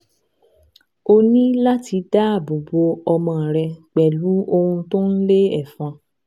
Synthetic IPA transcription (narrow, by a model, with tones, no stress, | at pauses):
o˧nĩ˦la˦ti˧da˦a˦˨bo˨bo˧ɔ˧mã˧˨ɾɛ˧k͡pɛ˨lu˨˦o˧hũ˧to˦n̩˦le˦ɛ˦˨fã˧